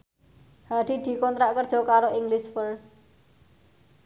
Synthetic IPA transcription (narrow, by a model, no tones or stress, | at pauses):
haɖ̥i̤d̪̥i̤kɔnt̪ɾaʔkərd̥ʒ̥ɔ̤kaɾoʔiŋɡlɪsfəɾst̪̚